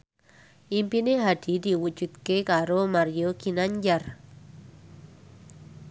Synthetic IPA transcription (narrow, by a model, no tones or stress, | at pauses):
impineɦadidiwut͡ʃwit̪kekaɾomaɾjokinaɲd͡ʒar